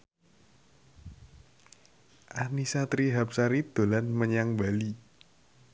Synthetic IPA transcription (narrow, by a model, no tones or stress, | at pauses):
ʔanisat̪ɾiɦap̚saɾid̪̥o̤lanməɲaŋbali